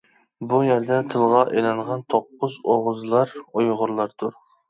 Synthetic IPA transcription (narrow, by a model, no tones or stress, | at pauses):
bujæɾd̪ɛt̪ʰɨlˠʁɑʔelɑŋʁɑnt̪ʰoqːʊzoʁʊzlˠɑɾujʁʊɾlˠɑɾt̪ʰʊɾ